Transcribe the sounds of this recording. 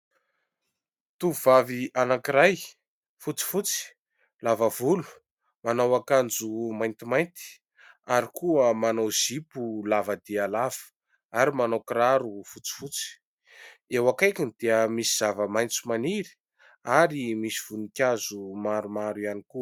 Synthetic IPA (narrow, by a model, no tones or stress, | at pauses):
t̪uvavianakiɾaj | fut͡si̥fut͡si̥ | lavavulu̥ | manawakand͡zumajnt̪imajnt̪i̥ | aɾikuəmanawz̥ipulavəd̪ialav̥ə̥ | aɾimanowkɾaɾufut͡si̥fut͡si̥ | ewakajkʲind̪̥eəmisiz̥avəmajnt͡sumaniɾi̥ | aɾimisiv̥unikʲazumaɾumaɾianikuə